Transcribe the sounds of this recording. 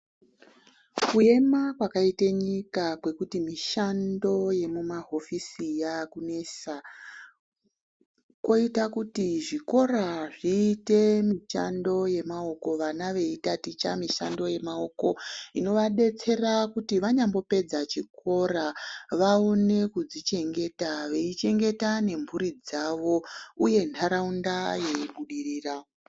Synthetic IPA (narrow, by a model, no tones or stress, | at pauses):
kue̞makwakaiteɲikakwe̞kutimiʃando̞je̞mumaɦo̞fisijakune̞sa | ko̞itakutiʐiko̞raʐiːte̞miʃa̰ndo̞je̞mao̞ko̞ʋanaʋe̞itatit͡ʃa̰miʃando̞je̞mao̞ko̞ino̞ʋaɗe̞t͡se̞rakutiʋaɲambo̞pe̞d͡zat͡ʃiko̞raʋaone̞kud͡zit͡ʃe̞ŋɡe̞taʋe̞it͡ʃe̞ŋɡe̞tane̞ɱvuɾid͡zaʋo̞uje̞ntʰaɾaundajeiɓuɗiriːra